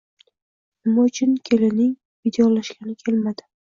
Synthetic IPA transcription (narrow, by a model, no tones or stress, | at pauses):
nɪmaʊt͡ʃʰʊnkʲʰelɪnɪŋ | vid̪ejɒlaʃɡʲanɪkʲʰe̞lmad̪ɪ